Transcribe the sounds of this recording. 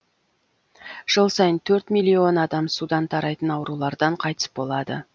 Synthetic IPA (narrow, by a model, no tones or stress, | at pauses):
ʒ̥əlˠsɑjənt̪ʰɵɾt̪mijlːio̞nɑd̪ɑmsud̪ɑnt̪ʰɑɾɑjt̪ənɑwəɾulˠɑɾd̪ɑɴqʰɑjt̪ə̥sbo̞lˠɑd̪ə̰